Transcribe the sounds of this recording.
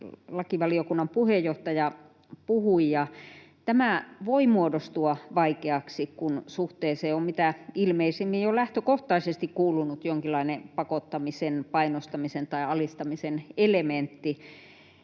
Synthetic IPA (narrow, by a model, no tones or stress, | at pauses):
lɑkiʋɑliokunːɑmpuhejjoht̪ɑjɑ | puhuijɑt̪æmæʋoimuodost̪uɑʋɑikeɑksikkunsuht̪eːseːommit̪æilmeisimːijjolæht̪økoht̪ɑisest̪ikkuːlunut̪joŋkilːˑɑinepɑkot̪ːɑmisenpɑinost̪ɑmisent̪ɑiɑlist̪ɑmisenelement̪ːi